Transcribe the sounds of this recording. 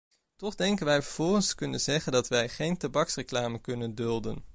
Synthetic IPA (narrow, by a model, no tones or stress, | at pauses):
tɔχdɛŋkənʋɛjvəɹv̥ɔlˠχənskɵnənzɛχəndɑtʋɛjχejntabɑksrəklaːməkɵnəndɵlˠdən